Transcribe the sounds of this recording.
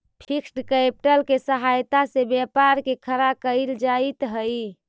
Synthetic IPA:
pʰiksʈkepʈəlkesəɦajt̪asebjapaɾkekʰəɾakəɪld͡ʒait̪ɦəj

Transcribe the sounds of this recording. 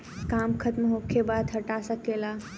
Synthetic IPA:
kaːmkʰət̪mɦoːkʰebaːd̪ɦɐʈasəkeːla

